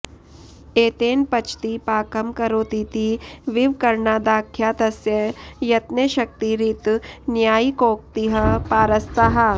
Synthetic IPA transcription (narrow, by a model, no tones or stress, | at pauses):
eːt̪eːnpɐt͡ʃʰt̪ipaːkɐmkɐɾoːt̪it̪iʋiʋkɐɾɳaːd̪aːkʰjaːt̪ɐsjɐjɐt̪neʃɐk̚t̪iɾit̪njaːikoːk̚t̪iɦɐpaːɾɐst̪aɦa